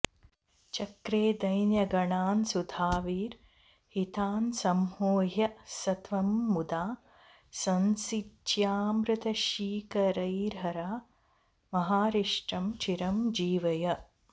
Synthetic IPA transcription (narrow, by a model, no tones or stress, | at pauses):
t͡ʃɐkɾeːd̪ɐjnjɐɡɐɳaːnsud̪ʱaːʋiːɾ | hit̪aːnsɐmhoːɦjɐsɐt̪ʋɐmːud̪aː | sɐnsitʃjaːmɾɨt̪ɐʃiːkɐɾɐjɾɦɐɾaː | mɐɦaːɾiʂʈɾɐmt͡ʃiɾɐmd͡ʒiːʋɐjɐ